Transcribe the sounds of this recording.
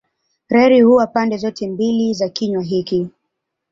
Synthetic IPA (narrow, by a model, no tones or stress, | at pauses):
ɾɛɾihuwapandɛzɔtʰɛmbilizakiɲwaɦiki